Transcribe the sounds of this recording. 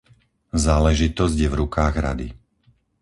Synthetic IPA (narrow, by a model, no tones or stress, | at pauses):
zaːlɛʒit̪ɔzɟjɛvɾukaːɣɾa̰d̪ḭ